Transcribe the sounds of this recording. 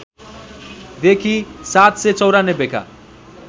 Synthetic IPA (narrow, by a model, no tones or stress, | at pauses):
d̪ekʰisat̪set͡sʌwɾanebeka̰